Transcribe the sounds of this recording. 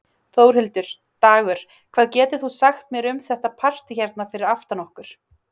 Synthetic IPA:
θoːwɾhɪlt̪ʏɾ̥ | t̪aːɣʏɾ̥ | kʰvaːðcɛːt̪ɪθusaxt̪̚mjɛɾʏmθɛht̪apʰar̥t̪ɪçɛɾt̪nafɪɾɪɾaft̪anɔhkʏɾ̥

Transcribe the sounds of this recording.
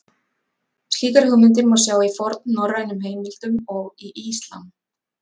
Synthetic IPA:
sciːkaɾhʏɣmʏnt̪̬ɪnmawsjaːwifɔɾt̪̚nːɔrːajnʏmheːjmɪl̥t̪ʏmɔɣiʔist̪la̰n

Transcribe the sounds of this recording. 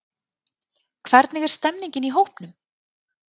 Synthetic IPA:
kʰvɛɾt̪nɪɣɛɾ̥st̪ɛmniɲcɪniɦowhpnʏm

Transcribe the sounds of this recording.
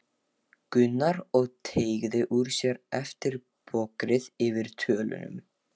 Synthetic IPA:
kʏnːaɾɔɣt̪ʰeːjɣðɪʔuɾ̥sjɛɾɛft̪ɪɾ | pʰɔkɾɪðɪvɪɾ̥t̪ʰœːlʏ̰nʏ̰m

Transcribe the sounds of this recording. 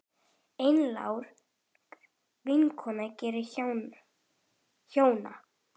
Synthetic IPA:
ejnla̰wɾ̥ | vɪŋkʰɔnacɛːɾɪ | çoːwna̰

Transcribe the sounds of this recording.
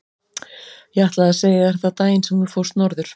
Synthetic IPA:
jɛaht̪laaseːjɪɛɾɛt̪at̪aːjɪnsɛmvɪɾfowst̪nɔɾðʏɾ̥

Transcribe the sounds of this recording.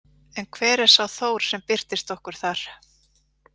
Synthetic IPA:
ɛnkʰvɛːɾɛɾ̥sawθoːwɾ̥sɛmpɪɾ̥t̪ɪst̪ɔhkʏɾ̥θaɾ̥

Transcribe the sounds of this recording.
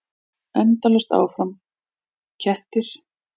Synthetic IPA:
ɛnt̪alɛst̪a̰ːwfɾam | cʰɛht̪ɪɾ̥

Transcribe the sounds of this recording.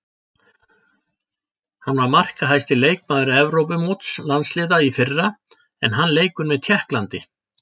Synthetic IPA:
hanːvaɾmar̥kaɦajst̪ɪleːjk̚maːðʏɾʏɛvɾowpʏmoːt̪slanslɪːðaifɪrːa | ɛ̰nɦanːleːjkʏnmɛðt̪ʰjɛhklant̪ɪ

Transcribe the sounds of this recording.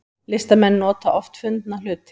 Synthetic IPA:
lɪst̪amɛnːɔːt̪aʔɔft̪fʏnt̪nal̥ʏːt̪

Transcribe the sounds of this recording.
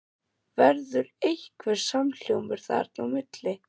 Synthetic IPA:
vɛɾðʏɾejhkʰvɛɾ̥saml̥jowmɪɾ̥θa̰ɾt̪nawmɪt̪lɪ

